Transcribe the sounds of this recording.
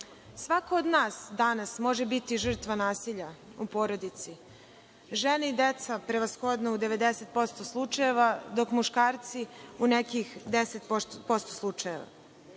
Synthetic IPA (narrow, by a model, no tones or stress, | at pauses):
sʋakood̪naːsd̪anasmo̞ʒebit̪iʒr̩t̪ʋanaːsiʎa | upo̞ːɾo̞d̪it̪si | ʒeneid̪et̪sapɾeʋasxod̪noud̪e̞ʋe̞d̪eset̪̚po̞st̪oslˠut͡ʃaje̞ʋad̪o̞kmuʃkaːɾt̪siunekixd̪eset̪opo̞st̪oslˠut͡ʃaje̞̰ʋa̰